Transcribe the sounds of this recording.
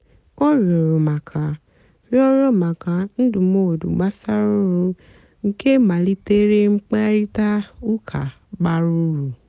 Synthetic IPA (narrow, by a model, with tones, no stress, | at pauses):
kɔ˦˨ɾi˨ɔ˨ɾo˨mã˨kʰã˨ | ɾi˦ɔ˦ɾo˦˨mã˨kã˧n̩˦du˨mo˦o˨du˨ɡ͡ba˦sa˦ɾu˦ɾu˧ | ŋ̩˦ke˦mã˨li˦te˦ɾe˦ŋ͡m̩˦k͡pa˦ɾi˦ta˦u˦kʰa̰˨ | ɡ͡ba˦ɾu˧˦ɾu˨